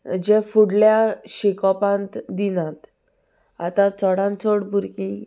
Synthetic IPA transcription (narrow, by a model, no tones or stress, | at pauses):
d͡ʑẽfuɽljaɕikɔpãnt̪d̪inãt̪ | a̰t̪ãt͡sɔɽãnt͡soɽbʱuɾkĩ